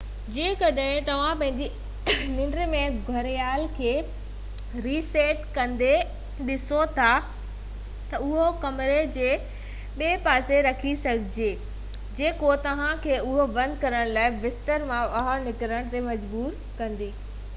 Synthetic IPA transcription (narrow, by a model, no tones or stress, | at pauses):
d͡ʑẽːkɐɗɦɪ̃t̪ɐʋ̤ãpɐ̃ɦɪ̃ɲd͡ʑi | nɪ̃ɳɖɾəmẽɡʱɐɾjaːlkʰeː | ɾiːseːʈkɐ̃nd̪e | ɗɪsot̪ʰa | t̪ɐʊɦokɐmɪɾed͡ʑeː | ɓeːpaːseɾɐkʰisɐɡʱɪd͡ʑeː | d͡ʑeːkot̪ɐʋ̤ãkʰeːʊɦobɐ̃nd̪kɐɾəɽ̃laːɪʋɪst̪əɾmãbɐɦəɾnɪkɾəɽ̃t̪emɐd͡ʑbuːɾ | kɐ̃nd̪iː